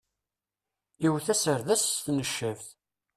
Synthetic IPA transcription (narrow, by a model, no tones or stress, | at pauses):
iwθæsəɾðæst̪nəʃːəvθ